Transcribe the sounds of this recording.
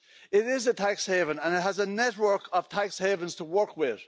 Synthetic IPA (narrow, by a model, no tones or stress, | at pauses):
ɪɾɪzətʰakshɛvə̃nə̃nɪt̚ɦəzənɛʔwɜ˞kʰəv̥tʰakshɛvə̃nz̥tʰəwɜ˞kwɪð̥